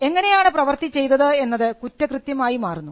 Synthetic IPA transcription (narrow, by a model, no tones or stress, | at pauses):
e̞ŋːɐne̞jaːɳɨprɐʋɐrt̪it͡ɕːe̞jt̪ːɐðɨe̞nːɐðɨkutːɐkrɨt̪jɐmaːjimaːrunːu